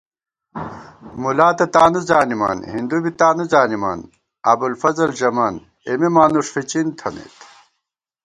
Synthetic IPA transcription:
mulaːt̪ɐt̪aːnuzaːnimɐ̰nhind̪ubit̪aːnuzaːnimɐ̰n | ɐ̰bulfɐzɐlʑɐman | emimaːnuʂfit͡ɕint̪ʰɐnḛt̪

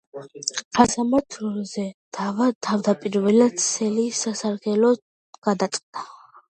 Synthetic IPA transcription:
χasamat̪ʰzɛd̪̥avat̪ʰavd̪apʼiɾvɛlad̪sʰɛlisasaɾɡɛlɔ | ɡ̥ad̪at̪sʼqʼd̪a

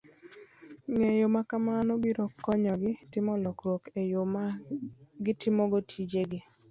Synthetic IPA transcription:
ŋejomakamanobiɾɔkːɔɲɔɡɪtɪmɔlɔkɾwokejom | ɡɪtʰɪmɔɡotʰid͡ʒeɡɪ

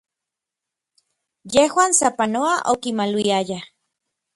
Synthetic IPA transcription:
jehwaːnsapanoaʔokimalwiaja

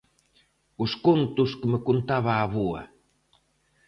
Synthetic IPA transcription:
uʃkunt̪uʃkə̆mə̆kunt̪aβaːβua̰

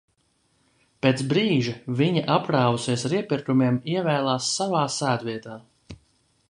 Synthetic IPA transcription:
peːt̪sbɾiːʒiviɲiʔapɾaːvusiɛsaɾiɛpiɾt̪umiɛmiɛvɛːlˠaːsːavaːsæːd̪viɛt̪aː

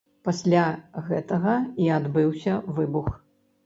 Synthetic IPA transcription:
pasʲlʲaɣɛt̪ɐɣɐiad̪bɨwsʲɐvɨbux

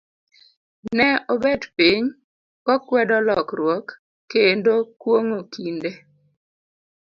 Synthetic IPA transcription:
nɛɔbɛdpiɲ | kɔkwɛdɔlɔkrwɔkː | endokwoŋokinde

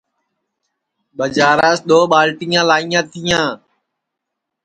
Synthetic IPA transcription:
ɓəd͡ʒaːɾaːsɗ̪oːɓaːlʈiːjãːlaːijãːt̪ʰijãː

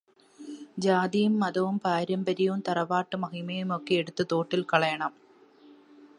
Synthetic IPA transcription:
d͡ʑaːðijɯmːɐðɐʋɯmpaːɾɐmbɐɾijɯmt̪ɐrɐʋaːʈːɯmɐɣimɐjɯmokːeɛɽut̪ːɯt̪oːʈːɪlkɐɭɐjɐɳɐm

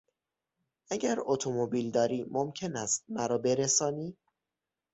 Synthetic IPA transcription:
ʔæɟæɾot̪ʰomobiːld̪ɒːɾiːmomcʰe̞næst̪̚mæɾɒːbe̞ɾesɒːniː

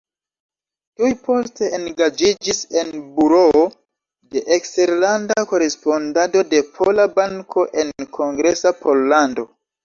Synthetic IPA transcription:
tujpo̞ste̞enɡad͡ʒid͡ʒise̞nbuɾoo | de̞ʔekste̞ɾlandako̞ɾe̞spo̞ndato̞de̞pʰolabaŋkʰo̞ʔe̞nkʰo̞ŋɡɾe̞sapʰo̞lːando̞

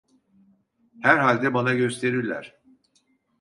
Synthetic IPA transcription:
hæɾɦalʲd̪ɛbanaɟø̞st̪ʰe̞ɾiɾlʲæ̰ɾ̥

